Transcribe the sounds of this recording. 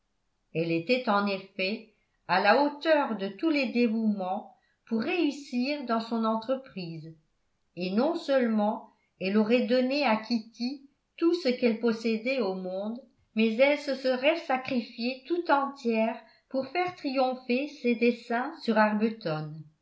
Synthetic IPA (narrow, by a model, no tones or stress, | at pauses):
ɛlet̪ɛt̪ɑ̃nefɛ | alaot̪œʁd̪ət̪ulɛd̪evumɑ̃ | puʁːeysiːʁd̪ɑ̃sɔ̃nɑ̃t̪χəpχiːz | enɔ̃sœlmɑ̃ | ɛlɔʁɛd̪ɔneakʲʰit̪i | t̪usəkɛlpɔsɛd̪ɛomɔ̃d̪ | mɛzɛlsəsəʁɛsakχifjet̪ut̪ɑ̃t̪jɛːʁ | puʁfɛʁt̪χijɔ̃fesed̪esɛ̃syʁaʁbət̪ɔn